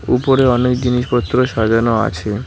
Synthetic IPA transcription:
upoɾeɔnekd͡ʑiniʃpɔt̪ːɾoʃad͡ʑanoa̰t͡ɕʰe

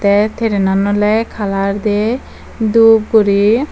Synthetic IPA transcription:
t̪ɛt̪ʰeɾenanɔlɛkʰalaɾd̪e | d̪up̚ɡoɾi

